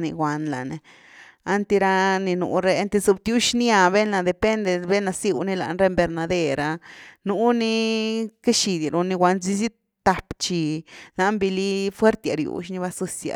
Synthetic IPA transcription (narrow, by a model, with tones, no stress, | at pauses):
nḭ˧ɡʷwa˨nla̰˨ne˨ | a˦nt̪e˧ɾa˧ni˧nṵ˨ɾe˧a˦nt̪e˧zu˧bt̪ju˦ʃni˦a˧be˦na˧˨d̪e˨pe˦nd̪e˧be˦na˧si˦wni˦la̰˨nɾe˧mbe˨˧ɾna˧d̪e˧ɾa˧nu˦ni˦ke˦ʃi˧d̪ja˨ɾu˧ni˧ɡwʷa˧nzi˦z̬i˦ | t̪a˨˧pt͡ʃi˧na˧mbi˧li˦fwe˦ɾt̪ja̰˨ɾjṵ˨˦ʃ̬ni˧ba˧˦su˦sja̰˨